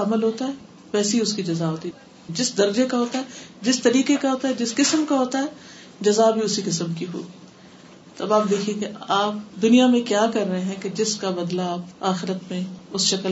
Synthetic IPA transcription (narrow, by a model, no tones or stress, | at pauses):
ɐməlɦoːt̪aɦɛː | ʋɛːseiʊskid͡ʒɐzaɦoːt̪i | d͡ʒɪsd̪ɐɾd͡ʒekaɦoːt̪aɦɛːd͡ʒɪst̪ɐɾiːqekaɦoːt̪aɦɛd͡ʒɪskɪsəmkaɦoːt̪aɦɛː | d͡ʒɐzabʱiʊsikɪsəmkiɦo̰ː | t̪oɐbaːp̚d̪eːkʰiẽkeaːp̚d̪ʊnijamẽkjaːkɐɾːɐɦeɦɛ̃ked͡ʒɪskabɐd̪laːpaːxɪɾət̪mẽʊsʃɐkəl